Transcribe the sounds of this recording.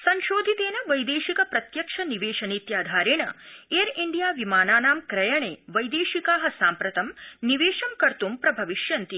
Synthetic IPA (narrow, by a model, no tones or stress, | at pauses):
sɐɲʃoːd̪ʱit̪eːnɐʋɐjd̪eːʃikɐpɾɐt̪jɐkʂɐniʋeːʃɐniːt̪jaːd̪ʱaːɾeːɳɐeːɾiɳɖijaːʋimaːnaːnaːmkɾɐjɐɳeːʋɐjd̪eːʃikaːɦɐsaːmpɾɐt̪ɐmniʋeːʃɐmkɐɾt̪umpɾɐbʱɐʋiʃjɐnt̪i